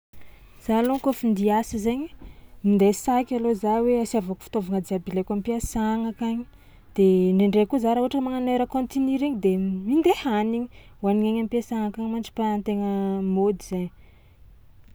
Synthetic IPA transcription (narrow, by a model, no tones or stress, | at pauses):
z̥alokofind̪iasizeɲimind̪esakʲalozaweasiavaku̥fi̥t̪ovaŋad͡z̪iabilekampiasaŋakaɲi̥ | d̪̥eɳeɳɖ͡ʐekuzaɾauaʈ͡ʂəmaŋaneɾəkont̪iniɾiɲid̪emind̪ehaniɲi̥waniŋeɲampiasaŋakaɲmaɳd͡ʒi̥pant̪eŋəmod̪iz̥eɲi